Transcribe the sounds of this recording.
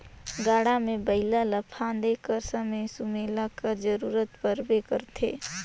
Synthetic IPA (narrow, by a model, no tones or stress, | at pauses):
ɡaːɽamẽbəɪlaləpʰãːnd̪ekəɾsəməjsumelakad͡ʒəɾuːɾət̪pəɾbekəɾt̪ʰḛː